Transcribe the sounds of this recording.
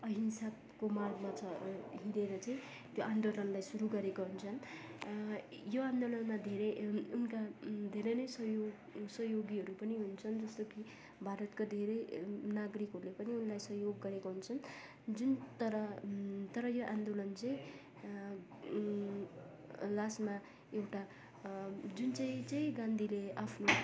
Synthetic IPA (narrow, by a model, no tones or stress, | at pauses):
ʌɦinsa | komarɡmat͡sʰʌɦiɾeɾʌt͡sʌĩ | t̪joʔand̪olʌnlajsuɾuɡʌɾekoɦunt͡sʰʌn | joand̪olʌnmad̪ʱeɾeunkad̪ʱeɾʌjnʌjsʌjoɡsʌɦjoɡiɦʌɾupʌniɦunt͡sʰʌnd͡zʌst̪oki | bʱaɾʌt̪kod̪ʱeɾʌjnaɡɾikɦʌɾulepʌniunlajsʌɦjoɡːʌɾekoɦunt͡sʰʌn | d͡zunt̪ʌɾʌt̪ʌɾʌjoʔãnd̪olʌnt͡sʌĩ | lasma | ewʈa | d͡zunt͡saĩt͡sʌj̃ɡãnd̪ʱileapʰno